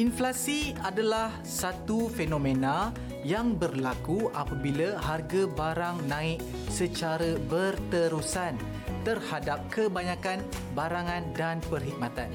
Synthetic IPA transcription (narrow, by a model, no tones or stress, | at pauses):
ʔinflasiadalah | sat̪ufenõmẽnã | jaŋbərlakuʔapabilaɦarɡabaɾaŋnãɪk̚ | sət͡ʃaɾəbərt̪əɾusan | t̪ərhadap̚kəbaɲãkanbaɾaŋãndanpərɦik̚mat̪an